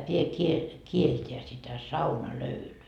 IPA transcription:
pie kie kielteæ sitæ sɑunɑløylyː

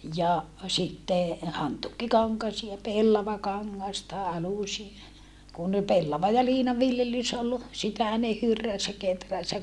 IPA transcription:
jɑ sitːe hɑntuːkːikɑŋkɑsiɑ jɑ pelːɑʋɑkɑŋːɑstɑ ɑlusie jɑ kun pelːɑʋɑ jɑ liːnɑ ʋiljelys ol sitæ ne hyrːæs jɑ ketræs jɑ

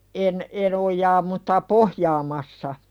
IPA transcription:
en en ojˑɑː mutːɑ pohjɑːmɑsːɑ

